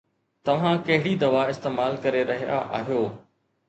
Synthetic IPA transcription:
t̪ɐʋ̤ãkɐɦɪɽid̪ɐʋaɪst̪eːmaːlkɐɾeɾɐɦija̰ʔa̰ːɦijoː

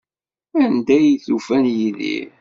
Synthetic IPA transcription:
ænd̪æjiθufænjiðḭ

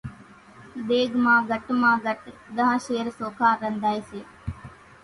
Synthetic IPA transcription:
d̪eːɡmãːɡəʈmãːɡəʈd̪əɦə̃ʃeːɾsoːkʰaːɾə̃nd̪ʱaːjseː

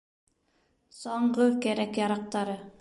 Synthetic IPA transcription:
soɴʁɵkeɾɛkjɑɾɑq̚t̪ɑɾɯ

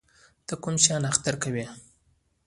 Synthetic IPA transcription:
d̪̥əkʊmʃɑnaxt̪aɾkawi

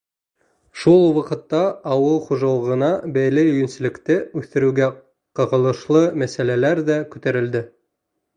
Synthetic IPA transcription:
ʃulˠwɑqɤ̆t̪ːɑːwɤlˠχuʒɑlˠɤʁɤ̆nɑbæjlɘɵ̆jɵ̆nsɘ̆lɘ̆kt̪ɘʉθt̪ɘ̆ɾɘɡæ | qɤ̆ʁɤ̆lˠɤ̆ʃlˠɤmæsælælæɾðækʉ̥̆t̪æɾɘ̆ld̪ɘ

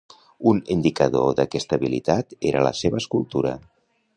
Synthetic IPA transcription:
unind̪ikəðoðəkɛst̪əβilit̪at̪eɾʔələ̰seβəːskulˠt̪uɾə̰

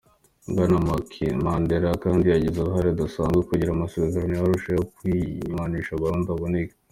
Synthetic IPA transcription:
ŋɡanamakʰemandeɾakaːndijaɟezuɾuɦaɾid̪asaːnzɡekuɟiɾamaseveɾanojaɾuʃejokwiɲmaniʃaβaɾuːndaβonik

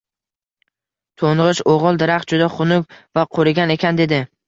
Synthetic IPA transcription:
t̪ʰoɴʁɨʃoʁɨlˠd̪ɪɾaχ̚d͡ʒʊd̪aχʊnʊkʲvaqʰoɾɪɡʲane̞kʲʰand̪e̞d̪ɪ

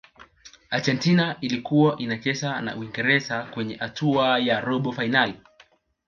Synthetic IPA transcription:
aɾd͡ʒɛntinaʔilikuwaʔinat͡ʃɛsana̰ʔuwiŋɡɛɾɛzakwɛɲɛhatʰuajaɾɔɓɔfainali

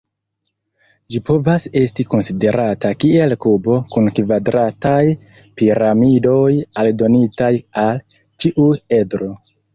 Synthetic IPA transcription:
d͡ʒipo̞vase̞stiko̞nside̞ɾatakie̞lkubo̞kunkvadɾataj | piɾamido̞jaldo̞nitajal | t͡ʃiʔue̞dɾo̞

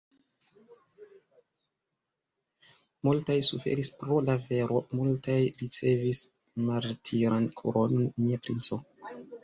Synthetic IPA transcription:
multajsufḛɾispɾo̞lave̞ɾo̞multajɾit͡se̞vis | maɾtʰiɾankʰṵɾonmiapɾint͡so̞

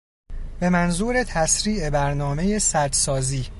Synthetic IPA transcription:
b̥e̞mænzuːɾe̞t̪ʰæsɾiːe̞bæɾnɒːme̞je̞sæɾd̪sɒːziː

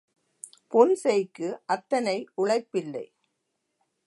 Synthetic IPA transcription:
pɔnsɛjkːɯʔɐt̪ːɐnɐɪʔʊɭɐɪpːɪlːɐ̰ɪ

